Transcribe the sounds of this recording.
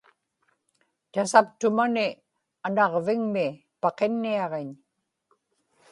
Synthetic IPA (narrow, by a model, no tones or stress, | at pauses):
t̪asapt̪ʊmanɪ | anɑʁvɪŋmɪ | pɑqenːiɑʁeɲ